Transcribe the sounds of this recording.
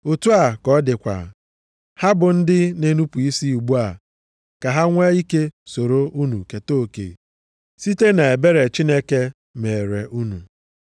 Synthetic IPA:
o˨tu˦a˨kɔ˦dɪ˨kʷa̰˨ | ha˦bʊ˨n̩˦dɪ˦ne˦nu˦pu˨i˦si˦u˨ɡ͡bu˦a˨ | ka˨ɦa˦ŋʷe˦i˦ke˦so˨ɾo˦u˦nu˨ke˨to˦˨kḛ˨ | si˦te˦na˨e˨be˦ɾe˨t͡ʃi˦ne˦ke˦ | me˨ɾe˨ʔu˦nu˨

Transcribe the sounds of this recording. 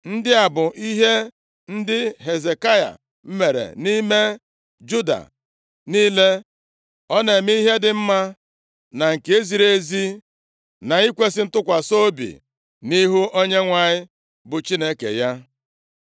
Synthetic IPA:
n̩˦dɪ˦a˨bʊ˨ʔi˦ɦe˦ | n̩˦dɪ˦ɦe˨ze˨ka˦ja̰˨ | m̩˦me˨ɾḛ˨ni˦me˦ | d͡ʒu˦da̰˨ | niː˦le˦ | ɔ˦ne˨m˦i˦ɦe˦dɪ˨m̩˦ma˦ | na˨ŋ̩˨ke˦zi˨ɾe˨˦zi˦ | na˨i˦kʷe˦sɪ˦n̩˦tʊ˦kʷa˨so˦bḭ˨ | ni˦ɦu˦ʔo˦ɲe˦ŋʷa˨ɲɪ˦ | bʊ˨t͡ʃi˦ne˦kḛ˨ja˦

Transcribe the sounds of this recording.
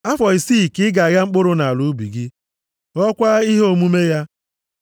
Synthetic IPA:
a˦fɔ˨i˨siː˦˨kɪ˦ɡa˨ɣa˦ŋ͡m̩˦k͡pʊ˦ɾʊ˦na˨a˨lu˨˦bi˨ɡɪ˦ | ɔ˦kʷa˦i˦ɦo˦˨mu˦me˦ja˦

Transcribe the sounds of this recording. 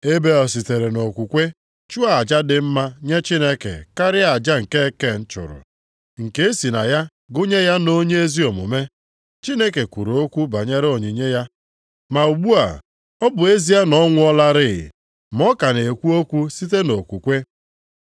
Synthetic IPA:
e˦be˦ɔ˨s̬i˨te˨ɾe˨no˨kʷu˨kʷe˦ | t͡ʃu˦a˨d͡ʒa˦dɪ˨m̩˦ma˦ɲe˦t͡ʃi˦ne˦kḛ˨ka˦ɾɪ˦a˨d͡ʒa˦ŋ̩˨ke˦ke˦˨n̩˦t͡ʃʊ̰˨ɾʊ̰˨ | ŋ̩˨ke˦e˦si˨na̰˨ja˦ | ɡʊ˦ɲe˦ja˦no˦ɲe˦e˦zi˦o˨mʊ̰˨me˦ | t͡ʃi˦ne˦ke˨kʷu˨ɾo˨o˦kʷu˦ba˨ɲe˦ɾo˨ɲi˨ɲe˦ja˦ | ma˨u˨ɡ͡bu˦a̰˨ | ɔ˦bʊ˨e˦zi˦a˦nɔ˦ŋʷʊ˦ɔ˦la˦ɾɪ˦˨ | mɔ˦ka˨ne˨kʷu˦o˦kʷu˦si˦t̬e˦no˨kʷu˨kʷe˦

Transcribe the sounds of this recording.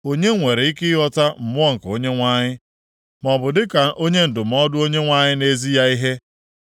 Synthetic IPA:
o˦ɲe˦ŋʷe˨ɾe˨i˦kɪ˦ɦɔ˦ta˦m̩˨mʊ˦ɔ˦ŋ̩˨ko˦ɲe˦ŋʷa˦ɲɪ˦ | mɔ˨bʊ˨dɪ˦ka˨ʔo˦ɲe˦n̩˨dʊ˨m̩˨ɔ˦dʊ˦o˦ɲe˦ŋʷa˦ɲɪ˦ne˦zi˦ja˦i˦ɦe˦

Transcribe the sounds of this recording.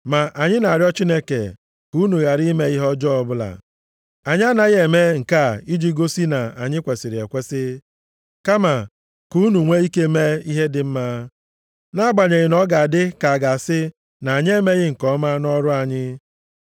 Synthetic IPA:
ma˨ʔa˨ɲɪ˦na˨a˨ɾjɔ˦t͡ʃi˦ne˦kḛ˨ | ku˨˦nu˨ɣa˨ɾi˦me˦i˦ɦɔ˦d͡ʒɔ˦ɔ˦bʊ˦la̰˨ | a˨ɲ˦a˦na˦ɣe˨me˦ŋ̩˨ka˦˨i˦d͡ʒi˦ɡo˦si˦na˨a̰˨ɲɪ˦kʷe˨sɪ˨ɾɪ˨e˨kʷe˦sɪ˦ | ka˦ma˨ | ku˦nu˨ŋʷe˦i˦ke˦me˦i˦ɦe˦dɪ˦m̩˦ma˦ | na˦ɡ͡ba˨ɲe˨ɣɪ˨nɔ˦ɡa˨a˨dɪ˦ka˨a˨ɡa˨sɪ˦ | na˨a˨ɲ˦e˦me˦ɣɪ˦ŋ̩˨kɔ˦ma˦nɔ˦ɾʊ˦a˨ɲɪ˦

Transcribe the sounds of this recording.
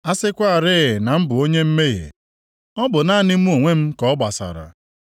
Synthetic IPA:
a˦sɪ˦kʷa˦a˦˨ɾɪ˦ɣɪ˨na˨m̩˦bʊ˨o˦ɲe˦m̩˦me˦ɣḛ˨ | ɔ˦bʊ˨na˦nɪ˦m̩˦o˨ŋʷe˦m̩˦kɔ˦ba˨sa̰˨ɾa̰˨

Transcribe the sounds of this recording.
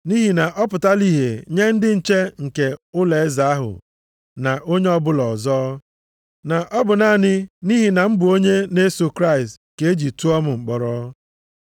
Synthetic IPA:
ni˦ɦi˨na˨ʔɔ˦pʊ˨ta˦li˦ɦe˨ɲe˦n̩˦dɪ˦n̩˨t͡ʃe˦ŋ̩˨ke˨ʊ˦le˨e˦za˨a˦ɦʊ̰˨ | na˨ʔo˦ɲe˦ɔ˦bʊ˦lɔ˨zɔː˦ | na˨ʔɔ˦bʊ˨na˦˨nɪ˦ni˦ɦi˨na˨m̩˦bʊ˨o˦ɲe˦ne˦so˨kɾa˦ɪ˨st | ke˨˦e˦d͡ʒi˨tu˦ɔ˦mʊ˨ŋ͡m̩˨k͡pɔ˨ɾɔ˦

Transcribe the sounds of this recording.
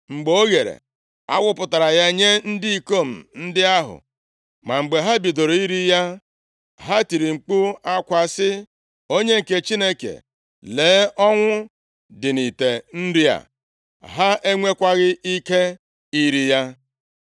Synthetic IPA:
ŋ͡m̩˨ɡ͡bo˦ɣe˨ɾḛ˨ | a˦wʊ˦pʊ˨ta˨ɾa˨ja˦e˦ɲe˦n̩˦di˦i˨ko˦m̩˨n̩˦dɪ˦a˦ɦʊ̰˨ | ma˨ŋ͡m̩˨ɡ͡be˨ɦa˦bi˨do˨ɾo˨i˦ɾi˦ja˦ | ɦa˦ti˨ɾi˨ŋ͡m̩˨k͡pu˦a˦kʷa˨sɪ˦ | o˦ɲe˦ŋ̩˨ke˨t͡ʃi˦ne˦kḛ˨ | leː˨˦ʔɔ˦ŋʷʊ˦ | dɪ˨ni˨te˨n̩˦ɾi˦a̰˨ | ɦa˦ʔe˦ŋʷe˦kʷa˦ɣɪ˦ʔi˦ke˦ | i˦ɾi˦ja˦

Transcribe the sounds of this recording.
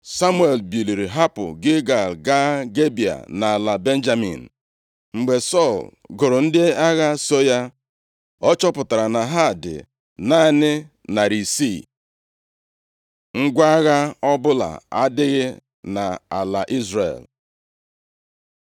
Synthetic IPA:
sa˦mu˦e˨lbi˨li˨ɾi˨ɦa˦pʊ̰˨ɡɪ˦ɡa˨ɡa˦ɡe˦bi˨a̰˨na˨la˨be˦n̩˦d͡ʒa˦mḭ˨n̩˨ | ŋ͡m̩˨ɡ͡be˨sɔ˦˨l | ɡʊ˨ɾʊ˨n̩˦dɪ˦a˦ɣa˦so˦ja˦ | ɔ˦t͡ʃɔ˦pʊ˨ta˨ɾa˨na˨ɦa˦˨dɪ̰˨ | na˦˨nɪ˦ | na˨ɾi˨si˦˨ | ŋ̩˦ɡʷa˦a˦ɣa˦ɔ˦bʊ˦la̰˨a˦dɪ˦ɣɪ˦ | na˨a̰˨la˨ʔi˦zrḛ˨l

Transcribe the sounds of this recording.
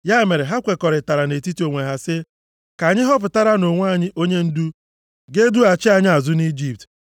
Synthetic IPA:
ja˦˨me˨ɾe˨ɦa˦kʷe˨kɔ˨ɾɪ˨ta˨ɾa˨ne˨ti˦ti˦o˨ŋʷe˨ɦa˦sɪ˦ | ka˨ɲɪ˦ɦɔ˦pʊ˨ta˦ɾa˦no˨ŋʷ˦a˨ɲɪ˦ʔo˦ɲe˦n̩˦du˦ | ɡe˦du˦a˨t͡ʃɪ˦a˨ɲɪ˦a˨zʊ˦ni˦d͡ʒi˨p̚t

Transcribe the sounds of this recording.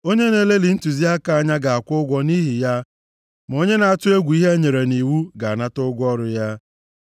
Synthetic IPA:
o˦ɲe˦ne˦le˦li˨n̩˦tu˨zi˦a˦ka˨a˨ɲa˦ɡa˨a˨kʷʊ˦ɡʷɔ˦ni˦ɦi˨ja˦ | ma˨o˦ɲe˦na˨a˨tʊ˦e˦ɡʷu˨i˦ɦe˦ɲe˨ɾe˨ni˨wu˦ɡa˨a˨na˦tʊ˦ɡʷɔ˦ɾʊ˨ja˦

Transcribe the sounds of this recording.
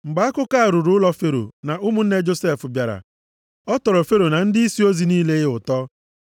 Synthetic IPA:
ŋ͡m̩˨ɡ͡ba˨˦a˦kʊ˦ka˦a˨ɾʊ˨ɾʊ˨˦lɔ˦fe˦ɾo̰˨na˨ʊ˦mʊ˦n̩˦ne˦d͡ʒo˦se˦˨fʊ˨bja˨ɾa̰˨ | ɔ˦tɔ˨ɾɔ˨fe˦ɾo˨na˨n̩˦dɪ˦i˦si˦o˦zi˨niː˦le˦ɪ˦ʊ˨tɔ˦

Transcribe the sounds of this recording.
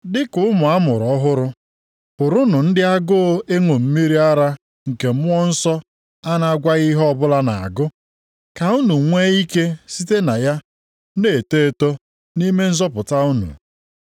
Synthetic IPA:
dɪ˦kʊ˦mʊ˨a˦mʊ˨ɾɔ˦ɦʊ˦ɾʊ˦ | pʊ˨ɾʊ˦nʊ˨n̩˦dɪ˦a˦ɡʊ˦e˦ŋʷo˨m̩˦mi˦ɾi˦a˦ɾa˦ | ŋ̩˨ke˨m̩˦ʊ˦ɔ˦n̩˦sɔ˦ | a˦na˨a˦ɡʷa˦ɣi˦ɦɔ˦bʊ˦la˦na˨a̰˨ɡʊ˦ | ka˨u˦nu˨ŋʷe˦i˦ke˦si˦te˦na˨ja˦ | ne˨te˦to˦ | ni˦me˦n̩˦zɔ˦pʊ˨ta˦u˦nṵ˨

